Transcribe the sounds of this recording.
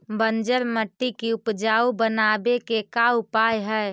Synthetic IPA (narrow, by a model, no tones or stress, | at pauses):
bənd͡ʒəɾməʈːikiʊpd͡ʒaːubənaːbekekaʊpaːjɦɛː